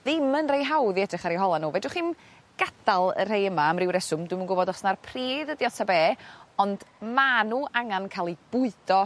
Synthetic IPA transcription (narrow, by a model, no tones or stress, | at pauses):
ðɪmənrejɦawðiɛdrɪχaɾiɦɔlˠanuːvɛdʊχiːn | ɡ̥adalˠə̰r̥ejəmaːmrɪwɾɛsʊmdwmunɡʊbɔdɔsnarpʰriːðədjɔtʰabeːɔndmanuːʔaŋankʰaːlˠib̥ʊɨd̥ɔ